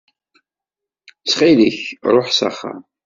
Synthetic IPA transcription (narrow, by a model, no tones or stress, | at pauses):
sχiliçɾˤoħsə̰χə̰